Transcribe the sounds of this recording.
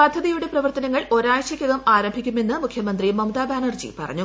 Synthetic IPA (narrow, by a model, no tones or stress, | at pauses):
pɐd̪ʱːɐðijuɽe̞prɐʋɐrt̪ɐnɐŋːɐɭo̞ɾaːjɐɕɐkʲːɐɣɐmaːɾɐmbʱikʲːume̞nːɨmukʰjɐmɐnd̪rimɐmd̪aːbaːnɐrd͡ʑḭpɐ̰rɐ̰ɲːu